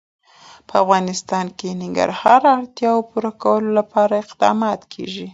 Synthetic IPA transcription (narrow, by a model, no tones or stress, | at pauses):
pəafɣɑnɪst̪ɑnkenɪŋɡa̰ɾhɑɾaɽt̪jɑopuɾakawəlolapɑɾaɪqd̪ɑ̰mɑt̪kʰḛʒi